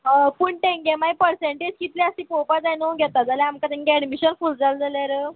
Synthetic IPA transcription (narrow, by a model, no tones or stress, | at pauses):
əpuɳʈeŋɡemajpəɾseɳʈed͡ʑkit̪leəsipopad͡zanuɡʱɛt̪ad͡zalɛamkat̪ẽŋɡeɛɽmiɕənfuːld͡zald͡zaljaɾə